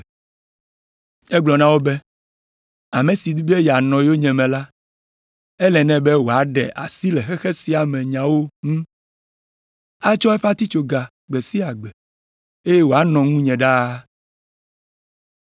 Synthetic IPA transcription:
ɛ˦ɡ͡blɔ˨nã˦wo˦bɛ˦ | a˨mẽ˨si˨d̪u˦bi˦e˦ja˨nɔ̃˨jo˦ɲɛ̃˨mɛ̃˨la˦ | ɛ˦lɛ˨nɛ̃˦bɛ˦wo˨a˨ɖɛ̰˨ʔa̰˨si˦lɛ˨xɛ˦xɛ˦si˨a˨mɛ̃˨ɲã˨wo˦ŋũ˦ | a˦t͡ʃɔ˦ɛ˦ɸa˦t̪i˦t͡ʃo˨ɡa˨ | ɡ͡bɛ˨si˦a˨ɡ͡bɛ˨ | e˦je˦wo˨a˦nɔ̃˨ŋũ˦ɲɛ̃˨ɖa˦

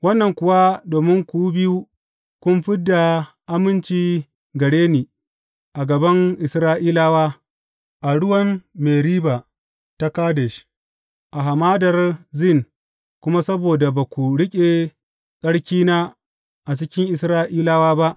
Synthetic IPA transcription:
wɐ˦nːɐ˨ŋkʷʊ˨wa˦doː˨mɪ˦ŋkʷu˦bɪ˦ju˦ | kʷʊ˦mɸɪ˦dːa˨ | ʔa˦mɪ˦nt͡ʃiː˦ | ɡɐ˨ɽeː˦niː˨ | ʔa˨ɡɐ˨bɐ˦ŋʔɪ˨sɾaː˦ʔiː˦laː˦waː˦ | ʔa˨ɽʊ˦wɐ˦mːeː˨ɾiː˦ba˨ | ta˦kaː˦dɛ˨ʃ | ʔa˨ɦa˨maː˦dɐ˨rzɪ˦˨ŋ | kʷʊ˦ma˦sɐ˦boː˨da˨ba˨kʷu˨ɽɪ˦kʲʼe˨ | sʼɐ˦ɽkʲiː˦na˦ | ʔa˨t͡ʃɪ˦kʲɪ˦ŋʔɪ˨sɾaː˦ʔiː˦laː˦waː˦ba˦ʔ

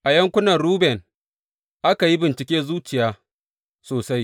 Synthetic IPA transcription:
ʔa˨jɐ˦ŋkʷʊ˦nɐ˨nɾuː˦bɛ˨n | ʔa˦ka˨ji˦bɪ˨nt͡ʃɪ˨kʲeː˦zuː˦t͡ʃɪ˨jaː˦ | soː˨sa˦j

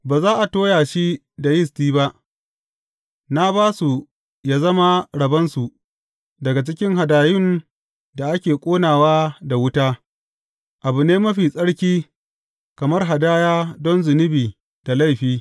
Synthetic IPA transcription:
baː˨zaː˦ʔa˨toː˦jaː˨ʃi˦ | da˨jɪ˦stiː˦ba˦ʔ | na˦baː˦su˨ | jaː˦zɐ˦ma˦ɽɐ˨bɐ˦nsu˨ | dɐ˨ɡa˨t͡ʃɪ˦kʲɪ˦ŋɦa˨daː˨jɪ˦˨n | da˨ʔa˦kʲeː˨kʷʼoː˦naː˨waː˦da˨wʊ˦taː˦ | ʔa˨bʊ˨neː˦mɐ˦ɸiː˨sʼɐ˦ɽkʲiː˦ | kɐ˨mɐ˦rɦa˨daː˦jaː˦dɔ˦nzʊ˨nɪ˦biː˨ | da˨la˦˨jɸiː˦

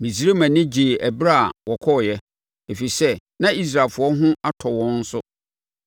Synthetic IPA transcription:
mĩ˨s̬i˦ɾe˦mã˨nɪ̃˦d͡ʑi˨ʔæ˨bɾa˦a˨wɔ˨kʰɔ˦˨jɛ˦ | e˨fi˨sɛ˦nã˦i˦s̬ɾa˨lfʊ˨ɔ˦ɦʊ̃˦a˦tʰɔ˨wɔ̃˦n̩˦sʊ˦

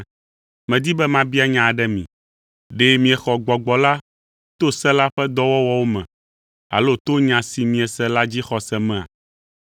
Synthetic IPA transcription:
mɛ̃˨d̪i˦bɛ˦mã˦bi˦a˦˨ɲã˨ɖɛ˦mḭ̃˨ | ɖe˦mĩ˨ɛ˨xɔ˨ɡ͡bɔ˨ɡ͡bɔ˨la˦ | t̪o˦sɛ˦la˦ɸɛ˦d̪ɔ˦wɔ˦wɔ˦wo˦mɛ̰̃˨ | a̰˨lo˦t̪o˦ɲã˨si˨mĩ˨ɛ˨sɛ˦la˦d͡ʑi˦xɔ˨sɛ˦mɛ̃˦˨a̰˨

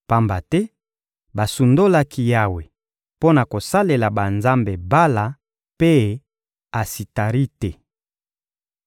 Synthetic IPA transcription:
pa˦mba˨tɛ˦ | ba˨su˨ndo˦la˦ki˦ja˦we˨ | po˦na˨ko˨sa˦le˨la˨ba˨nza˦mbe˨ba˦la˨ | pe˦ | a˨si˨ta˨ʁi˦te˨

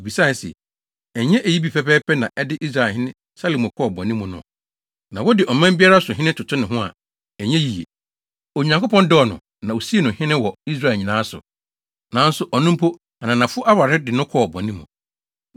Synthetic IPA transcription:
o˨bi˨sa˦˨˦sɛ̰˨ | ɛ˨ɲɛ̃˦ʔe˨ji˦bi˨pʰɛ˨pɛː˦pʰɛ˦nã˨ʔɛ˦dɪ˦ʔi˦sɾa˨hɪ̃˦nɪ̃˦ | sa˦lo˨mo˨kʰɔ˦˨bɔ̃˨nĩ˦mʊ̃˨nʊ̰̃˦ | nã˨wɔ˦dɪ˨ʔɔ˨mã˦m˦bi˦a˦ɾa˦sʊ˨ɦɪ̃˦nɪ̃˦tʰʊ˨tʰʊ˦nɪ̃˨ɦʊ̃˦a̰˨ | ɛ˨ɲɛ̃˦ji˨jḛ˨ | o˨ɲ˨ã˨ŋko˦pʰɔ̃˦ndɔ˦ɔ˨nʊ̰̃˨ | nã˨o˨si˦e˨nʊ̃˨hɪ̃˦nɪ̃˦wɔ˨i˦s̬ɾa˦˨lɲĩ˨nãː˨˦sʊ̰˨ | nã˨n̩˦sʊ˨ʔɔ˨nũ˦m̩˦pʰo˦ | a˨nã˨nã˨fʊ˦ʔa˦wa˨ɾɪ˦dɪ˨nʊ̃˦kʰɔ˦˨bɔ̰̃˨nĩ˦mṵ̃˨

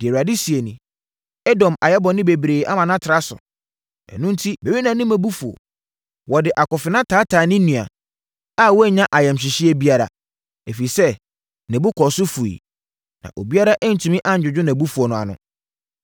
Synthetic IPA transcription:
d̥ɪ˨e˨wa˨dɪ˦si˨e˨nĩ˨ | ɛ˦dɔ̃˨ma̰˨jɛ˦bɔ̃˨nɪ̃˦be˨bɾeː˨ʔa˦mã˨nã˦tʰɪ˨ɾa˦sʊ̰˨ | ɛ̰̃˨nʊ̃˦n̩˦tʰi˦me˨wi˦nã˨nɪ̃˦mæ̃˨bu˦fu˨o̰˨ | wɔ˨dɪ˨ʔa˨kɔ˨fɪ˨nã˦tʰaː˨˦tʰaː˨nɪ̃˦nũ˨a̰˨ | a˦wɔ˦ɛ˦˨ɲã˦ʔa˨jɛ˨mɕ̬ɪ˨ɕɪ˦ɛ˦bi˦a˦ɾa̰˨ | e˨fi˨sɛ˦ | nɛ̃˨bʊ˦kʰɔ˨sʊ˦fu˨ḭ˨ | nã̰˨ʔo̰˨bi˦a˦ɾa˦ʔɛ˦n̩˨tʰũ˨mĩ˦ʔã˦ɲ̩˨d͡ʑᶣʊ˨d͡ʑᶣʊ˦nã˨bu˦fu˨o˨nʊ̃˨a̰˨nʊ̰̃˦

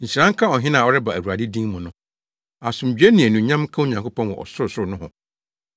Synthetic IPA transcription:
ɲ̩˨ɕi˨ɾã˦ŋ̩˦kʰa˦ɔ˨ɦɪ̃˦nãː˨ɔ˦ɾɛ˦ba˨æ˨wu˨ɾa˨dɪ˦dĩ˦ŋmʊ̃˨nʊ̃˦ | a˨sʊ̃˨m̩˨d͡ʑᶣɥe˦nĩ˨æ˨nũ˨ɲã˦m˦kʰã˦o˦ɲã˨ŋkʰo˦pʰɔ̃˦nwɔ̰̃˨ʔɔ̰˨sʊ˦˨sʊ˦˨nʊ̃˦hɦʊ̰̃˨

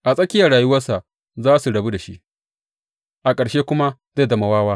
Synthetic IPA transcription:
ʔa˨sʼɐ˦kʲɪ˦jɐ˨ɽaː˨ju˦wɐ˦rsa˨ʔ | zaː˦su˨ɽɐ˨bu˦da˨ʃi˦ʔ | ʔa˨kʼɐ˨ɽʃeː˦kʷʊ˦ma˦za˦˨dɐ˨ma˨waː˦waː˦

